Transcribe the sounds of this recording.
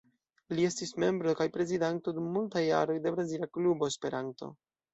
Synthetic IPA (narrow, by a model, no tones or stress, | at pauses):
lie̞stisme̞mbɾo̞kajpɾe̞zidanto̞dumːultaja̰ɾo̞jde̞vɾasilaklubo̞espe̞ɾanto̞̰